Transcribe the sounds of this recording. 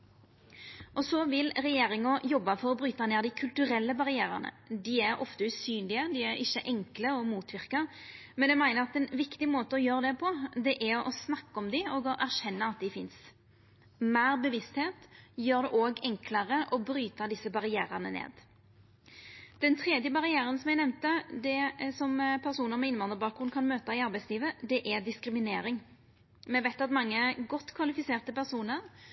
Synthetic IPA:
ʔɔsɔʋɪlɾɛjeːʁɪŋɔjɔbːɑfɔɾɔbɾyːt̪ɑneːʁd̪ɪkʰʉlt̪ʉɾɛlːəbɑʁɪæːɾɑ̰nə̰d̪ɪæɾɔ̰ft̪əʉsyːnlɪəd̪ɪæɾɪçːəʔɛŋkləɔmuːt̪ʰʋɪʁkɑ | mɛnjɛmæɪnəʁɑt̪ɛnʋɪkt̪ɪmoːt̪əɔjøːʁəd̪ɛpʰɔd̪ɛʔæɔ̰snɑkːɔmd̪ɪoːɡɔʔæʁʃɛnːəɑt̪̚d̪ɪfɪns | mæːʁbəʋɪst̪heːt̪jøːʁd̪ɛʔoːɡɛŋkləʁəʔɔbɾyːt̪ɑd̪ɪsəbɑʁɪæːɾənə̰nḛːd̪ | d̪̥ɛnt̪ʰʁɛːd̪jəbɑʁɪæːɾənsɔmɛɡnɛmnt̪əd̪ɛsɔmpʰæʁsuːnəɾmɛɪnʋɑnd̪əbɑːkʊnkʰɑnmøːt̪ɑɪɑɾbæɪsliːʋəd̪ɛʔæd̪ɪskɾɪmɪneːɾɪŋ | mɛʋæɪt̪ɑt̪mɑŋːəɡɔt̪ːkʰʋɑlɪfɪseːʁt̪əpæʁsuːnəʁ

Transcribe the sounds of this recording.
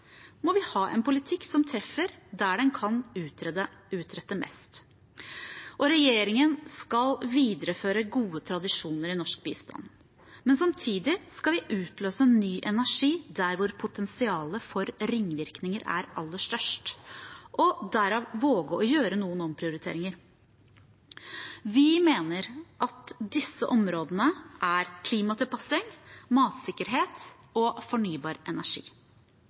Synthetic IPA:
mɔʋɪhɑːʔɛ̰npʊlɪt̪ʰɪkːsɔmt̪ʰɾɛfːəɾd̪æɖɛnkʰɑnʉʉːt̪ʰɾɛt̪ːəmɛ̰st̪ | ʔɔɾɛjeːɾɪŋənskɑlʋiːd̪əɾəføːɾəɡuːət̪ʰɾɑd̪ɪʂuːnəɾɪnɔʂk̚bḭːst̪ʰɑ̰n | mɛnsɑmt̪ʰiːd̪ɪskɑlʋɪʔʉːt̪løːsəɛnːyːʔɛnæʂiːd̪æɾʋʊɾpʰʊt̪ʰɛnsɪɑːləfɔɾɾɪŋːʋɪɾknɪŋəɾʔæ̰ɾɑ̰lːəʂt̪œʂʈʔɔd̪æɾɑːʋʋoːɡəɔjøːɾənuːənɔmpʰɾɪʊɾɪt̪ʰḛːɾɪŋəɾ | ʋɪmeːnəɾʔɑt̪d̪ɪsːəʔɔmɾoːd̪ənəʔæɾkʰliːmɑt̪ʰɪlpʰɑsɪŋmɑːt̪sɪkːəɾɦeːt̪ | ɔfɔɳyːbɑːɾʔɛnæʂḭː

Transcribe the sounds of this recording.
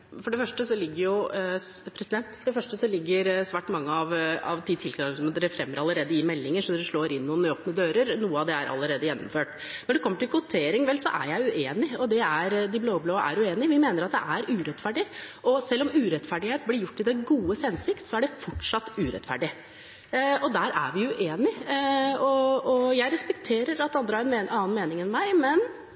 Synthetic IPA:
fɔɖɛfœʂʈəsɔlɪɡːəɾjʊ | pʰɾɛsɪd̪ɛnt̪fɔɖɛfœʂʈəsɔlɪɡːəɾsʋæːʈmɑŋːəɑʋɑ̰ʋt̪ʰit̪ʰɪlkʰɾɑɡɔməd̪ɛɾɛfɾɛmːəɾɑlːəɾeːd̪əɪmɛlːɪŋəʂɔd̪ɛɾɛʂɭoːɾɪnːuːnoːpnəd̪øːɾəɾnuːəɑʋd̪ɛæɾʔɑ̰lːəɾeːd̪əjɛnːɔ̰mføːʈ | nɔɖɛkʰɔmːəʈɪlkʰʊt̪ʰeːɾɪŋʋɛlsɔ̰ʔæ̰ɾjæɪʉʔeːnɪɔd̪ɛæɾd̪ɪbloːbloːəʔæ̰ɾʉeːnɪʋɪmeːnəɾɑt̪̚d̪ɛ̰ʔæɾʉːɾɛt̪fæɖɪʔɔsɛlːɔmʉːɾɛt̪fæɖɪheːt̪blɪɾjʊʈːɪd̪ɛɡuːəsɛnsɪkt̪sɔæɖɛfɔʈʂɑt̪ːʉːɾɛ̰t̪fæ̰ɖɪ | ɔd̪æɾʔæ̰ɾʋɪjʉʔeːnɪ | ɔɔjæɪɾɛspɛk̚t̪ʰeːɾəɾɑt̪d̪ɛɑnd̪ɾəhɑɾɛneɑːnmeːnɪŋɛnmæɪmɛn

